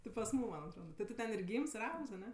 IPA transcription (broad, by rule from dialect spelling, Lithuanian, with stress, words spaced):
tʲɪ pɐs ˈmuːm ˈmɐnʲ ɐtˈroːdɐ tʲɪ ˈtʊ tʲɛn ɪr ˈɡʲiːms ɪr ˈɐʊks ɐˈnʲɛ